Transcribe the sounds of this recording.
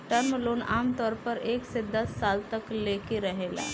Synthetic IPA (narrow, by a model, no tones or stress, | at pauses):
ʈaɾməluːnamt̪ɔɾpəɾeksid̪ʱːat̪salt̪əklekiɾəɦela̰